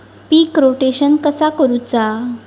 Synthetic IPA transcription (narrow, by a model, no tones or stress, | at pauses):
pikɾoʈeɕənkəsakəɾut͡sa